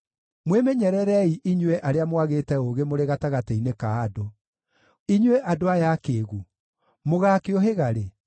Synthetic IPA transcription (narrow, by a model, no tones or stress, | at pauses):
mwemɛɲɛɾɛɾɛiʔiɲwɛʔaɾeamwaɣetɛoɣemoɾeɣataɣatɛinekaːdo | iɲwɛʔadoajakeːɣu | moɣaːkeɔɦeɣaɾe